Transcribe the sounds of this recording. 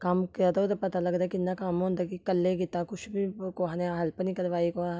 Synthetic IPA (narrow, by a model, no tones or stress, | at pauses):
kamkiat̪oot̪epɐt̪alɐɡd̪aːkɪnːakaːmõːnd̪akikəlːekɪt̪akʊt͡ʃʰbʱikoɦanẽɦɐlpnĩkɐɾʋaːiko